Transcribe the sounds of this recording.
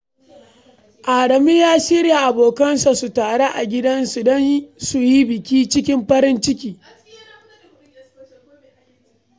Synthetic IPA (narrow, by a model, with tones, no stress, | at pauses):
ʔaː˨ɽɐ˨mi˦jaː˦ʃɪ˦ɾja˨ʔa˨boː˨kɐ˦nsa˨su˨taː˨ɽe˦ʔa̰˨ɡʲɪ˦dɐ˦nsu˨dɐ˦nsu˨ji˦bɪ˨kʲiː˦t͡ʃɪ˦k̬ʲɪ˦mɸɐ˦ɾɪ˦nt͡ʃɪ˦kʲiː˨